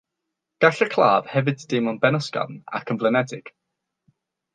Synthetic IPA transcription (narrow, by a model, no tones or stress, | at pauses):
ɡ̥aɬəkʰlˠaːv̥hɛvɨdʰd̥emɔnbɛnəskɔ̰na̰kʰənvlˠənɛdɪɡ̥